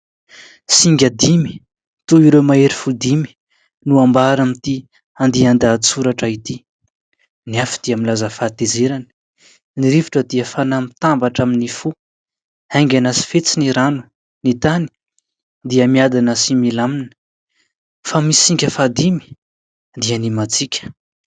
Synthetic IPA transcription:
siŋɡʲad̪imi̥ | t̪uiɾemaeɾifud̪imi̥ | nuambaɾamit̪i | and̪iand̪at͡suɾaʈ͡ʂait̪i | niafi̥d̪̥iamilazəfat̪ezeɾanə̥ | niɾiviʈ͡ʂəd̪iəfanamit̪ambaʈ͡ʂaminifu | ajŋɡʲanasi̥fet͡siniɾanu̥ | nit̪ani̥ | d̪iəmiad̪anəsimilamnə̥ | famisiŋkʲəfad̪imi̥ | d̪iənimat͡sikʲə̥

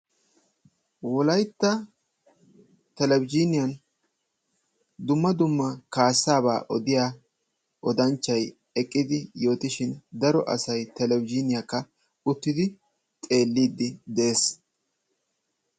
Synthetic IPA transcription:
wɔlɐjt̪ːɐ | t̪ɛlɛwɪd͡ʒɪnɪjɐn | d̪ʊmːɐd̪ʊmːɐkaːsːaːba̰ːʔɔd̪ɪjaː | ʔɔd̪ɐnt͡ʃːɐj | ɛkʼːɪd̪ɪjo̞ːt̪ɪʃɪnd̪ɐɾɔʔɐ̰sɐjt̪ɛlɛwɪd͡ʒɪnɪjɐkːɐ | ʊt̪ːɪd̪ɪ | t̪ʼe̞ːlːiːd̪ːɪd̪e̞ːs

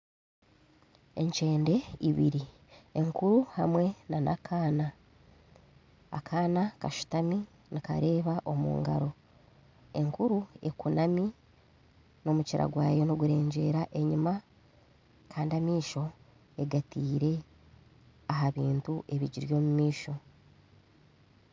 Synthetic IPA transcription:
e̞ɲt͡ʃe̞ːnde̞iβḭɾi | eŋkuɾuhamwe̞nanʔa̰kʰaːna | a̰kʰaːnakaʃu̥tami | nika̰ɾe̞ːβaʔo̞mṵːŋɡa̰ɾo̞ | e̞ŋkuɾue̞kunami | no̞muciɾa̰ɡwaːjo̞noɡuɾe̞ːɲɟe̞ːɾaʔe̞ɲima | kʰaːndiamiːʃo̞ | e̞ɡatiːɾe̞ | aɦaβiːntuʔe̞βiɟiɾjo̞ːmumiːʃo̞

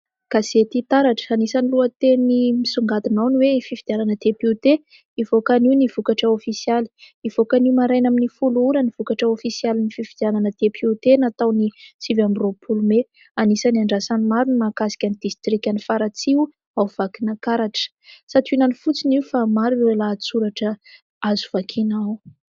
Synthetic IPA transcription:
ɡ̥aset̪it̪aɾaʈ͡ʂə̥anisaniluət̪enimisuŋɡat̪inawniweifivid̪iananəd̪epuut̪e | ivokaniwniv̥ukaʈ͡ʂəofisjali̥ | iv̥okaniwmaɾajnaminifuluɾəniv̥ukaʈ͡ʂəofisialinifivid̪̥iananəd̪epʰut̪enat̪awnit͡sivambiropʰulume | anisaniaɳɖ͡ʐasanimaɾunmakasi̥kʲanid̪ist̪ɾikʲanifaɾat͡siwu | awv̥akinakaɾaʈ͡ʂə̥ | sat̪ʰuinanifut͡siniufamaɾuewelat͡suɾaʈ͡ʂə | azu̥v̥akʰinaw

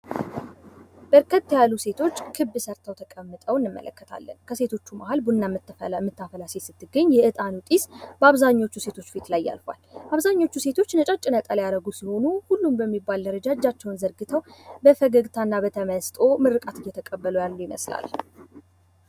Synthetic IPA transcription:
b̥əɾkʰət̪ːjalːuse̞t̪ʰo̞t͡ʃːkʰɨbːɨsəɾt̪ʰəwt̪ʰəkʼəmːɨt̪ʼəwɪnːɨmːə̰lʔə̰kːət̪ʰa̰lːə̰nkʰəse̞t̪ʰo̞t͡ʃːuma̰halbunːamːɨt̪ːmɨt̪ʰːafəlasesɨt̪ʰːɨɡəɲːjɛʔɨt̪ʼanut̪ʼisbəaβzaɲːo̞t͡ʃːuse̞t̪ʰo̞t͡ʃːfit̪lajːa̰lfa̰lʔaβzaɲːo̞t͡ʃːuse̞t̪ʰo̞t͡ʃːnət͡ʃʼat͡ʃʼːɪnət̪ʼəljaɾəɡusiho̞nuhulːumbəmːibald̪əɾəd͡ʒad͡ʒːat͡ʃːɛwnzəɾɡɨt̪ʰəwbəfəɡəɡt̪ʰanːabət̪ʰəməst̪ʼo̞mɨɾɨkʼat̪ɨjːɛt̪ʰəkʼəbːəlujalːujɪmə̰sla̰l

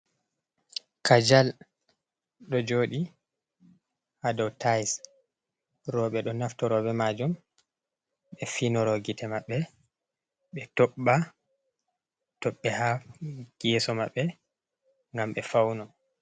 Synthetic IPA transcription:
kʰad͡ʒal | ɗɔd͡ʒoːɗi | adɔwtʰajs | ɾɔɓɛɗɔnaftɔɾɔbɛmad͡ʒɔm | ɓɛfinɔɾɔɡitʰɛmaɓːɛ | ɓɛtɔɓːa | tɔɓːɛhaɡ̥ɛsɔmaɓːɛ | ŋɡamɓɛfawnɔ

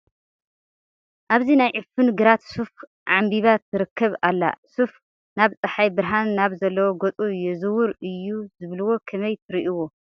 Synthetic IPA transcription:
ʔaβzinajʕɨfɨnɡɨɾat̪suf | ʕambiβat̪ʰːɨɾɨkʰːɐβalːa̰suf | naβt͡sʼɨħajbɨɾɦanːaβzɐlːɐwoɡot͡sʼujɛzɨwuɾɨjːuzɨβlɨwo̞kʰɐmɐjt̪ʰɨɾiʔiwo

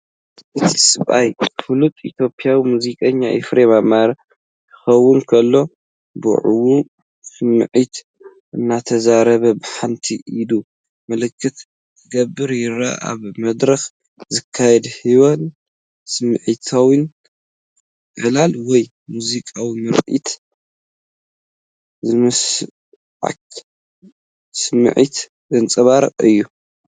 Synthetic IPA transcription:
ʔɨt̪ʰi̥sɨβʔajfɨlut̪ʼit̪ʰjo̞pʼjawimuzikʼɐɲːaʔɛ̰fɾeβamaɾ | kʰɨ̥xɐwːʊnkʰɐlːo̞ | bṵʕuwu | sɨmːɨ̰ʕit̪ | ʔɨnːat̪ʰɐzaɾɐβɐbɨħant̪ʰiʔilu | mɐlɨkʰːɨt̪ | ɡɐbːɨɾjɪɾa̰a̰βmɐd̪ɾɐx | zɨkʰːajɛd̪hiβon | sɨmɨʕit̪ʰawin | ʔɐlalwɔj | muzikʼawimɨɾʼḭt̪ | zɨmɨs | ʕa̰k | sɨmɨ̰ʕit̪ | zɨnt͡sʼɨβaɾɨ̰qʼɨjːu

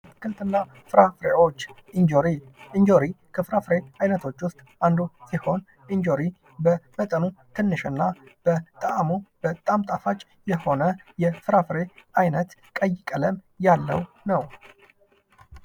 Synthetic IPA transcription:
kʰɨlt̪ʰɨnːa | fɨɾafɾeʔo̞t͡ʃː | nd͡ʒoɾind͡ʒoɾikʰəfɨɾafɾeajnət̪ʰo̞t͡ʃːwʊst̪ʼand̪usiho̞n | ʔiɲd͡ʒo̞ɾi | bəbət̪ʼənut̪ʰɨnːɨʃɨnːab̥ət̪ʼəʔmub̥ət̪ʼːamt̪ʼafat͡ʃʼː | jɛho̞nəjɛfɨɾafɾeʔajnət̪kʼəjːɪkʼələm | jalːə̰w | nəw

